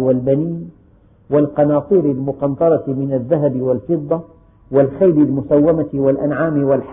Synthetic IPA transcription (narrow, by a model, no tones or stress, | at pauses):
walbaniːn | walqɑnɑːsˤiːɾɪlmʊqɑnt̪ˤɑɾˤɑmɪnaðːaɦabɪwalfɨd̪ˤːɑ | walxajbɪlmʊsawːamawalʔanʕaːmɪwalħ